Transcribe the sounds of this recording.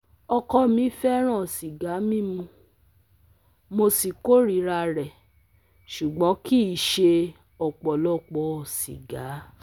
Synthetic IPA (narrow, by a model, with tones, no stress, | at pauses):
ɔ˧kɔ˧mĩ˨˧˦fɛ˦ɾ̃ã˦˨si˨ɡa˨˦mĩ˦mũ˧ | mo˧si˨ko˦ɾi˨˦ɾa˧ɾɛ˨ | ʃu˨ɡ͡bɔ̃˨˦ki˦˨ʃe˧ | ɔ˨k͡pɔ˨lɔ˦k͡pɔ˧˦˨sḭ˨ɡa˨˦